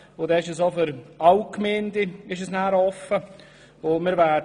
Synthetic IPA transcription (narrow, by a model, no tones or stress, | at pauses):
ʊdɛːɪʃəsofʏɾawkmeːndɪɪʃəsnæːɾɔfə | ʊmɪɾʋæːd